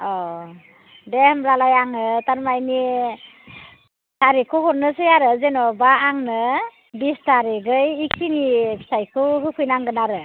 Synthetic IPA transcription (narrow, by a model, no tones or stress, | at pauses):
ɔ | demɾalajaŋɯtaɾmajni | saɾikʰɯɦɔɾnɯsɯjaɾɯzenɔbaːŋnɯ | bistaɾiɡɯjːkinibʰi̥sajkʰɯɦɯkʰɯjnaŋɡɯnaɾɯ